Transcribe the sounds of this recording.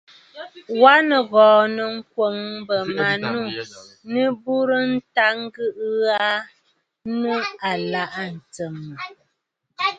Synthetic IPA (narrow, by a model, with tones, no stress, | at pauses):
wa˦nə˨ɣɔː˨nə˨ŋ̩˦kwo˨ŋbə˨ma˨nu˦˨ | nɨ˦bu˦ɾə˦n̩˦ta˦ŋ̩˦ɡɨ˦ʔa˦ | nu˦a˨la˦ʔa˦n̩˨t͡sə˨mːə˨